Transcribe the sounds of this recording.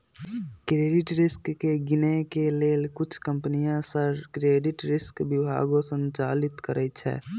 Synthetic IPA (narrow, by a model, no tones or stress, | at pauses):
kɾeːɖɪʈɾɪskːeɡɪnekeleːlkʊt͡ʃʰkəmpənijãsəɾkɾeːɖɪʈɾɪskbɪbʱa̰ːɡõsə̃nt͡ʃaːlɪt̪kəɾʔət͡ʃʰɛ̰ː